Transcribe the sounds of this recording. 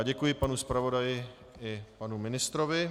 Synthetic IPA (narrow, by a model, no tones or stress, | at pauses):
ɟɛkujɪpanuspɾavo̞dajɪ | ɪpanumɪnɪst̪ɾovɪ